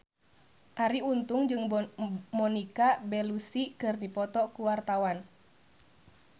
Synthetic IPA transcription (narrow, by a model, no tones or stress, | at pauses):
kaɾiunt̪ʊŋd͡ʒɨŋmɔnikabɛlusikɨrdipɔt̪ɔkuwart̪awan